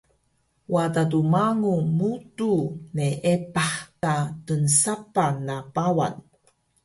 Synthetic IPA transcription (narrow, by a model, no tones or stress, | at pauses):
wadadumaŋumutuneʔepaħtatənsapanapawa̰n